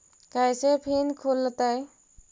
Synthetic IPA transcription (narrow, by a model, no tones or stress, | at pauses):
kajsepʰinkʰolːət̪aj